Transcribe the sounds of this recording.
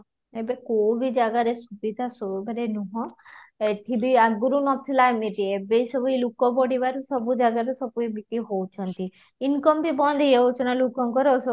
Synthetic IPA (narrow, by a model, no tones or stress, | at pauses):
ebekowbid͡ʒaɡaɾesubid̪ʱasoɡʱaɾenuɦɔ̃eʈʰibiaɡuɾunɔt̪ʰilajmet̪iebejsɔbuilukɔpɔɽibaɾsɔbud͡ʒaɡaɾesɔbuebik̪iɦowt͡ʃʰɔnt̪i | inkɔmpibɔnd̪ʱieowt͡ʃʰɔnalukɔŋkɔɾɔs